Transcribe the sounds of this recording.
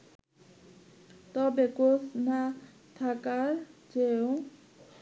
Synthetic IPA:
t̪ʌbekosna | t̪ʰakard͡zejõ

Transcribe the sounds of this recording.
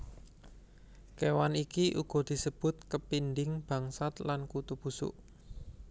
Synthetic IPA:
kewanikiʔṵɡ̥ɔ̤d̪̥i̤səb̥ʊ̤t̪̚kəpindɪŋb̥ä̤ŋsat̪lankut̪ub̥usʊ̰ʔ

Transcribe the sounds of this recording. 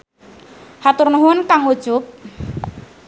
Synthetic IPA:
hat̪ʊrnuɦʊnkaŋud̥ʒ̥ʊp̚

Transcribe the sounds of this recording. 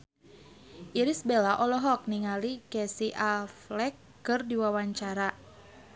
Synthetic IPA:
ʔiɾisbelaʔɔlɔɦɔk̚niŋalikɛsiʔalflɛkːɨrdiwawaɲt͡ʃaɾa

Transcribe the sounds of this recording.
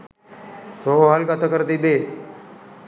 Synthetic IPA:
toɦaːlkat̪ʰəkəɾd̪iːbeː

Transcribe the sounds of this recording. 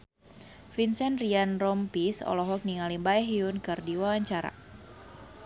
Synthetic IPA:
finsɛnrianrɔmpisɔ̰lɔɦɔk̚niŋalibaɛɦiunkɨrdiwawaɲt͡ʃaɾa̰

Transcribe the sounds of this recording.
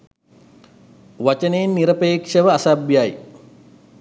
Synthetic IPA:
ʋat͡ʃəneːnːiɾəpeːkʂəʋəasabjaj

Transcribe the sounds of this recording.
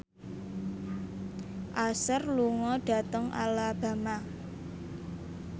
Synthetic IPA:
ʔasərluŋɔɖ̥a̤t̪əŋʔa̰lab̥a̤ma

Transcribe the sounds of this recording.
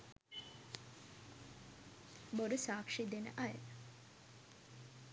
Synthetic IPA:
boɾusaːkʂid̪enə̰ʔaj

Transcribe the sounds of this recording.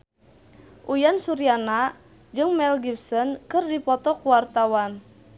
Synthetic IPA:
ʔujansuɾiana | d͡ʒɨŋmɛlɡipsənkɨrdipɔt̪ɔkuwart̪awan

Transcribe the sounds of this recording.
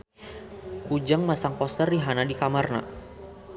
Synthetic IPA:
kud͡ʒaŋmasaŋpɔst̪ərdiɦanadikamarna̰

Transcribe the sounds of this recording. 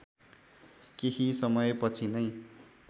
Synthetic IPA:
kehisʌmʌjpʌt͡sʰinʌj

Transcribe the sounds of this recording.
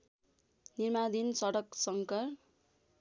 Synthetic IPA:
nirmad̪insʌɽʌksʌŋkʌr

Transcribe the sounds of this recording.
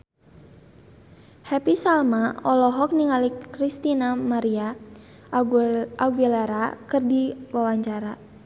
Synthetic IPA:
hɛpisalmaɔlɔɦɔk̚niŋalikɾist̪inamaɾia | auɡɛlaɾakɨrdiwawaɲt͡ʃaɾa

